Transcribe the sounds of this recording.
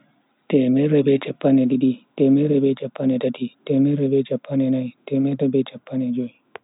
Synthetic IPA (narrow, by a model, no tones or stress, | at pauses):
tɛmɛɾɛbɛt͡ʃɛpːanɛdiɗitɛmɛɾɛbɛt͡ʃapːanɛdatitɛmɛɾɛbɛt͡ʃapʰːanɛnajtɛmɛɾɛbɛt͡ʃapːanɛd͡ʒoi